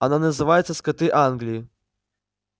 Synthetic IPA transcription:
ananɐzɨvajɛt̪sːɐskɐt̪ɨʔanɡlʲiji

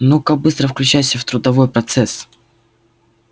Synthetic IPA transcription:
nokak̚bɨst̪ɾəfklʲʉt͡ɕæjsʲəft̪ɾʊd̪ɐvo̞jpɾɐt̪sɛs

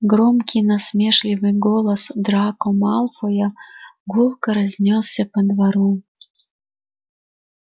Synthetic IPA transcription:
ɡɾomkʲinɐsmʲeʂlʲivɨɡolˠɐsd̪ɾakomalˠfojaɡulˠkɐɾɐzʲnʲossʲɐpəd̪vaɾu

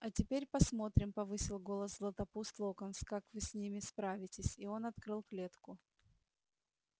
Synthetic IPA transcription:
ɐtʲɪpʲeɾʲpɐsmo̞t̪ɾʲɪmpɐvɨsʲɪlˠɡo̞lˠəszlˠət̪ɐpust̪lˠokənskakvɨsʲnʲimʲɪspɾavʲɪtʲɪsʲio̞nɐt̪kɾɨlˠklʲet̪kʊ

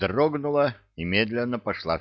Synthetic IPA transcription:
roɡnʊlˠə | imʲed̪lʲɪnːəpɐʂlˠa̰

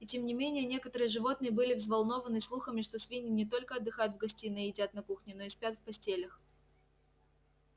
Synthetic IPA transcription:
itʲe̞mnʲɪmʲenʲɪjənʲe̞kət̪əɾɨjəʐɨvo̞t̪nɨjəbɨlʲɪvzvɐlˠno̞vənɨslˠuxəmʲɪʂt̪o̞svʲinʲɪnʲɪt̪o̞lʲkəɐd̪ːɨxajʊt̪vɡɐsʲtʲinəɪɪdʲat̪nɐkuxnʲɪno̞ɪspʲat̪fpɐsʲtʲelʲəx

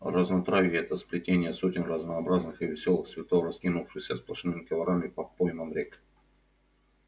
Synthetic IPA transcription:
rəznɐt̪ɾavʲɪɛt̪əspɾʲɪtʲenʲɪjəsotʲɪnrəznɐːbɾaznɨxɨvʲɪsʲo̞lˠɨxsvʲɪt̪oɾɐskʲinʊfʂɨxsʲəsplˠɐʂɨnɨmʲɪkʲɪvɐɾamʲɪpɐpojmɐmɾʲek

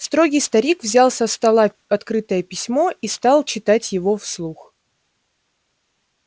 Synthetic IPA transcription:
st̪ɾo̞ɡʲijst̪ɐɾʲikvzʲalˠsʲɐst̪ɐlˠa | ɐt̪kɾɨt̪əjəpʲɪsʲmo̞ist̪ɑlˠt͡ɕɪt̪atʲjɪvo̞fslˠux

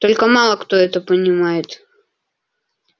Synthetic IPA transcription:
t̪ɔlʲkɐmalˠɐkt̪ɔɛt̪ɐpɐnʲɪmajɛt̪

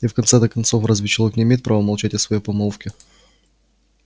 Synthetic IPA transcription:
ifkɐnt̪sɛd̪əkɐnt̪sofrɐzvʲɪt͡ɕɪlˠoknʲɪmʲeːt̪̚ʲpɾʔavəmɐlˠt͡ɕætʲɪsvɐjepɐmolˠfkʲɪ

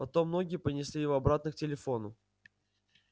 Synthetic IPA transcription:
pɐt̪o̞mːno̞ɡʲɪjəpənʲɪsʲlʲijɪvɐbɾat̪nɨk̚tʲɪlʲɪfo̞nʊ

